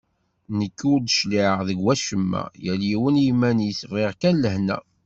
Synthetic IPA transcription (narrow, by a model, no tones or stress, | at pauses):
nəkːʊɾd̪ʃliʁðəɡwæʃəmːæ̰jæljiwənjimænisvɪʁkænləhnæ̰